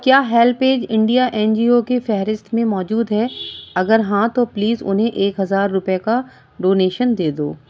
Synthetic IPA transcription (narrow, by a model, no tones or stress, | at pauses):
kjaːɦɛːlpeːd͡ʒɪ̃ɳɖijaʔɛ̃ːnd͡ʒiːokefɛɦɾɪst̪mẽmɔːd͡ʒuːd̪ɦɛːɐɡəɾɦãt̪opliːzʊ̰nɦẽʔeːkɦɐzaːɾːʊpeka | ɖoːneːʃənd̪eːd̪o̰ː